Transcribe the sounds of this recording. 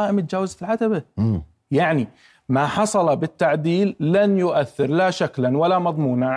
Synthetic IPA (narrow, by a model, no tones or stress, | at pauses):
aːʔɪmɪt̪̚d͡ʒaːwazfilʕad̪aba | jaʕni | maħɑsˤɑlɑbɪt̪ːaʕd̪iːlːanjʊʔaθːɪɾlaʃaklanwalːamɑðˤmuːnaʕ